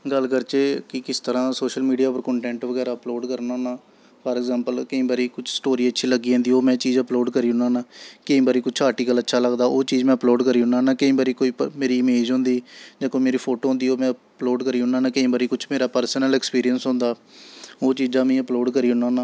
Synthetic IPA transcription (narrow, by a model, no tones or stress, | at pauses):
ɡəlkəɾt͡ʃeːkɪkɪst̪əɾãːsoːʃəlmiːɖijaːpəɾkɔ̃ːɳʈɛ̃ːɳʈʋəɡɛːɾaːəploːɖkəɾnãːnaː | pʰəɾɛːɡzãːmpəlkəĩːbaːɾiːkʊt͡ʃʰsʈoːɾiːətːʃʰiːləɡiːɛ̃ːnd̪iːoːmɛ̃ːt͡ʃiːd͡ʒəploːɖkəɾiːɦʊnãːnaːkəĩːbaːɾiːkʊt͡ʃʰaːɾʈiːkələtːʃʰaːləɡd̪aːʔoːt͡ʃiːd͡ʒmɛ̃ːəploːɖkəɾiːɦʊnaːnaːkəĩːbaːɾiːkoːiːəmeːɾiːmeːd͡ʒɦõːnd̪iːd͡ʒãːkoːimeːɾiːpʰoːʈoːɦʊ̃nd̪iːoːmɛ̃ːploːɖkəɾiːʊnaːnãːkəĩːbaːɾiːkʊt͡ʃʰmeːɾaːpəɾsnəlɛːkspiːɾijənsɦʊ̃ːnd̪aːoːt͡ʃiːd͡ʒãːmɛ̃ːəploːɖkəɾiːɦʊnãːnãː